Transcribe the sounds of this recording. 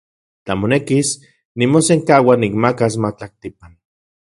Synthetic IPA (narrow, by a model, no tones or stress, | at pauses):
t͡ɬamonekis | nimoseŋkaːwanikmakas̬mat͡ɬak̚t̪ipan